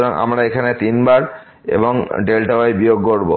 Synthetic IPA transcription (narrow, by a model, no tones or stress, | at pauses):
ɾaŋa̰mɾaekʰanet̪inbaɾ | ḛboŋɖelʈaajbijoɡ̚koɾbo